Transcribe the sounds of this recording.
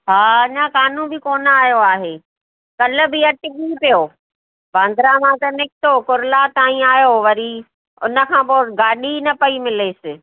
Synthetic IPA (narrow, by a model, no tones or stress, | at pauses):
ɦaːɐɲãkaːnũbɪkoːnaːjoaːɦeː | kɐlʊ̆bɪɐʈɪɠipijoː | bʱãːnd̪ʱɾamãt̪ɐnɪkʰɪt̪okʊɾlat̪aːĩaːjoʋɐɾi | ʊnə̆kʰãːpoːɡaːɗinɐpɐimɪleːsɪ̆